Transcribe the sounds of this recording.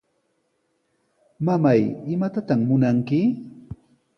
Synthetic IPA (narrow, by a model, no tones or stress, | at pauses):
mamajɪmat̪at̪aχmʊnaŋkɪ